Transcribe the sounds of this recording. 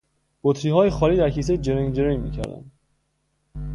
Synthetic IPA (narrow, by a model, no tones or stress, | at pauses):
b̥ot̪ʰɾiːɦɒːjexɒːliːd̪æɾcʰiːs̬ed͡ʒeɾeŋd͡ʒeɾijmḭːcʰæ̰ɾd̪æ̰nd̪